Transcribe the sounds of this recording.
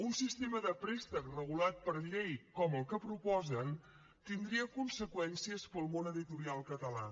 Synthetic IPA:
unsist̪eməðəpɾest̪əkrəɣulat̪̚pəɾʎejkɔməlˠkəpɾupɔzən | t̪ind̪ɾiəkunsəkwɛnsiəspəlˠmonəðit̪uɾialˠkət̪əla̰

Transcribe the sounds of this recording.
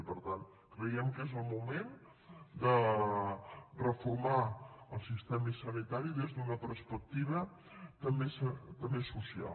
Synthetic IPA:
pəɾt̪an | kɾəjɛmkezəlˠmumen | d̪ə | rəfuɾmaəlˠsist̪ɛmisənit̪aɾiðezðunəpəɾspək̚t̪iβə | t̪əmbesət̪əmbesusia̰

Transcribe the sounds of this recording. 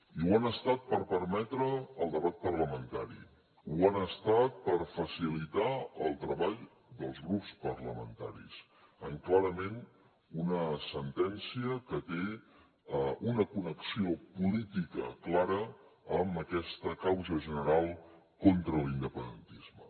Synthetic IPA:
iwanəst̪at̪̚pəɾpəɾmɛt̪ɾəəlˠd̪əβat̪̚pərləmənt̪aɾḭ | uanəst̪at̪̚pəɾfəsilit̪aəlˠt̪ɾəβaʎ | d̪əlˠzɣɾupspərləmənt̪a̰ɾḭs | əŋklaɾəmen | unəsənt̪ɛnsiəkət̪e | əunəkunəksiopulit̪ikə̰klaɾəəməkɛst̪əkawzəʒənəɾalˠ | kont̪ɾəlind̪əpənd̪ənt̪izmə̰

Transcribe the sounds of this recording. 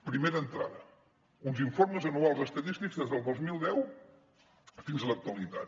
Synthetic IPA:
pɾimeɾəːnt̪ɾa̰ðə | unziɱfoɾməzənualˠzəst̪ət̪ist̪iɡzðezðəlˠd̪ozmilˠd̪ɛw | finzələk̚t̪uəlit̪a̰t̪

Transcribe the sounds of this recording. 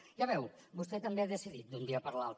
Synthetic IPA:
ʒaβɛw | bust̪ɛt̪əmbeaðəsiðit̪̚d̪und̪iəpəɾlalˠt̪

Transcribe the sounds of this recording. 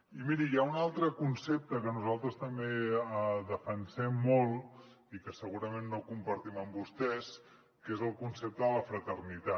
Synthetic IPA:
imiɾijaunalˠt̪ɾəkunsep̚t̪əkənuzalˠt̪ɾəst̪əmbeəðəfənsɛmːolˠ | ikəsəɣuɾəmenːokumpəɾt̪iməmbust̪ɛs | kezəlˠkunsep̚t̪əðələfɾət̪ərnit̪a

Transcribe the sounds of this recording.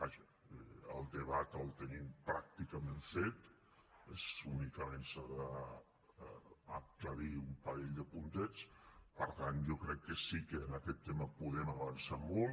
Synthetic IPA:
baʒə | əlˠd̪əβat̪əlˠt̪ənimpɾak̚t̪ikəmeɱfet̪ | ezunikəmensaðə | k̚t̪əɾiumpəɾɛʎd̪əpunt̪ɛt͡spəɾt̪anʒokɾɛkːəsikəːnəkɛt̪ːeməpuðɛməβənsamɔlˠ

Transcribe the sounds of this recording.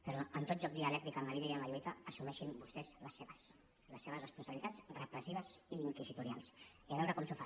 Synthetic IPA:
pəɾɔənt̪ot̪̚ʒɔk̚d̪iəlɛk̚t̪ɾikəməɾinaiəmaʎuik̪aːsumɛʃimbust̪ɛzləseβəs | ləsːeβ̞əzrəspunsəɐβilit̪at͡srəpɾəsiβ̞əziːŋkizit̪uɾia̰lˠs | iaβɛwɾəkɔmsufa

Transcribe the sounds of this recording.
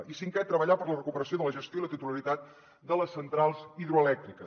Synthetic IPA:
isiŋkɛt̪ːɾəβəʎapəɾlərəkupəɾəsioðələʒəst̪joilət̪it̪uləɾit̪at̪̚ | d̪ələsːənt̪ɾalˠziðɾuəlɛk̚t̪ɾikə

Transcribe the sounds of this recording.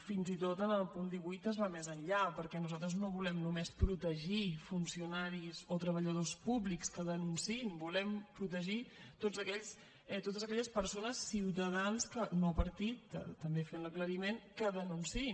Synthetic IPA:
finzit̪ot̪ənəlˠpund̪iβujt̪əzβamezənʎapəɾkɛnuzalˠt̪̬ɾəznoβulɛmnumespɾut̪əʒifunsiunaɾizot̪ɾəβəʎəð̞ospuβlikskəðənunsinbulɛmpɾut̪əʒit̪od͡zəkɛʎs | ɛt̪ot̪əzəkɛʎəspəɾsonəsːiwt̪əð̞anskənopəɾt̪it̪t̪ːəmbefenləkləɾimenkəðənunsi

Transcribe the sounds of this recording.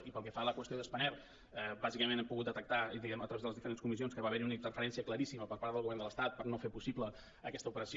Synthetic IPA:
ipəlˠkɛfaləkwəst̪ioðəspənɛlˠ | əbazikəmenɛmpuɣut̪̚d̪ət̪ək̚t̪ad̪iɣɛmət̪ɾəβezðələzðifəɾenskumis̬ionskəβaβɛɾiunəint̪ərfəɾɛnsiəkləɾisiməpəɾpaɾðəlˠɣuβɛrndələst̪at̪̚pəɾnofepusiplə | əkɛst̪əupəɾəs

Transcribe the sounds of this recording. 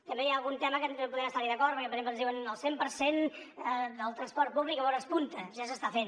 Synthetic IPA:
t̪əmbejaːlˠɣunt̪ɛməkəpuðɛməst̪aɾiðəkɔɾt̪pəɾkɛpəɾzemplənzðiwənəlˠsempəɾsen | əðəlˠt̪ɾənspɔɾt̪̚puβlikəβɔnəspunt̪əʒasəst̪afen

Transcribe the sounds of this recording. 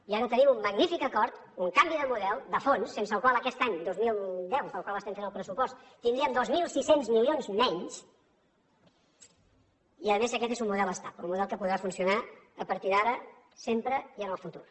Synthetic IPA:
iaɾət̪ənimumːəɡnifikəkɔɾt̪uŋkambiðəmuðɛlˠd̪əfonsːensəːlˠkwalˠəkɛst̪aɲd̪ozmilˠd̪ɛwtəlˠkwalˠəst̪ɛmfenəlˠpɾəsupɔst̪t̪ːind̪ɾiəmd̪ozmilˠsisenzmilionzmɛɲs | iəðəmezəkɛt̪ezumuðɛlˠəst̪apṵnmuðɛlˠkəpuðɾafunsiunaəpəɾt̪iðaɾə | sempɾəiənəlˠfut̪uɾ

